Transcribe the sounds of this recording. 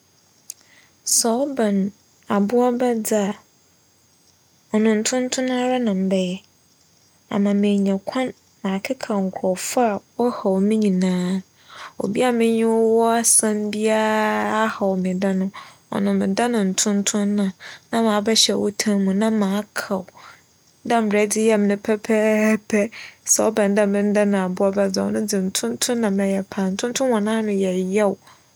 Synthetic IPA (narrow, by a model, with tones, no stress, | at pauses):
sɔ˨ɔ˦bã˨n˨ | a˨bʊ˦a˦ba˦d͡zɪ˦a˨ | ɔ˨nʊ̃˨n̩˨tʰʊ̃˦n̩˦tʰʊ̃˦nãː˦ɾa˦nã˨m̩˨bɛ˨jɛ˦˨ | a̰˨nã˨mẽ˨ɲã˨kʷʰã˦nː | ã˨kʰɪ˦kʰa˨ŋ̩˨kʰɔ˨fa˨wɔ˦ha˨wɔ˨mɪ̃˦ɲĩ˨nãː˦ | o̰˨bi˦a˦˨mɪ̃˦ɲɪ̃˦wɔ˦wɔ˦a˦sã˦n˦di˦a˦a˦ha˨wɔ˨mɪ̃˨da˦nʊ̃˦ɔ̰˨nʊ̃˨mɪ̃˨da˦nʊ̃˨n̩˨tʰʊ̃˦n˦tʰʊ̃˦nːã˨nã˦mã˨˦bɛ˦ɕɛ̰˨wɔ̰˦tʰã˦mũ˨nã˦mãː˨˦kʰa˨w | dã˦m̩˨bɾɛ˨˦dɪ˦jɛ˦mɪ̃˨nʊ̃˦pʰɛ˦pʰɛ˦pʰɛ˦sɛ˨ɔ̰˦bɛ̃˨n˦dã˦mɪ̃˦n̩˦da˦nã˨a˨bʊ˦a˦bɛ˦d͡za˨ɔ̰˨nʊ̃˦dɪ˨n̩˨tʰʊ̃˦ntʰʊ̃˦nːã˨mɛ̃˨jɛ˨pʰã˨n̩˨tʰʊ̃˦n˦tʰʊ̃˦wɔ˨nãː˦nʊ̃˦jɛ˨jɛ˦w